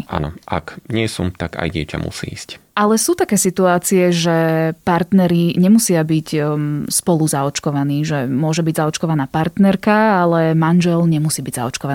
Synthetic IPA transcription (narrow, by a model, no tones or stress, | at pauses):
ʔa̰nɔa̰kɲɪɛsṵmt̪aka̰jɟɪɛca̰mṵsḭːiːsc | ʔalɛsuːt̪akɛːsit̪uaːt͡siɛʒɛpaɾt̪nɛɾiɲɛmusɪabiɟspɔluzaɔt͡ʃkɔʋaniːʒɛmʊɔʒɛbiɟzaɔt͡ʃkɔʋanaːpaɾt̪nɛɾkaalɛmanʒɛlɲɛmusiːbiɟza̰ɔt͡ʃkɔʋa